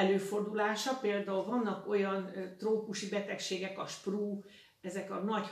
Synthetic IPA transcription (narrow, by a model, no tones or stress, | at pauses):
ɛløːfo̞rd̪ulaːʃɒpeːld̪aulvɒnːɒko̞jɒnt̪roːkuʃibɛt̪ɛkʃeːɡɛkɒʃpruː | ɛzɛkɒnɒc